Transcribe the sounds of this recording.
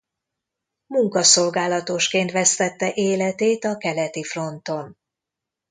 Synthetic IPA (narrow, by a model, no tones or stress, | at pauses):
muŋkɒso̞lɡaːlɒt̪o̞ʃkeːnt̪ʋɛst̪ɛt̪ːɛʔeːlɛt̪eːt̪ɒkɛlɛt̪ifro̞nt̪o̞n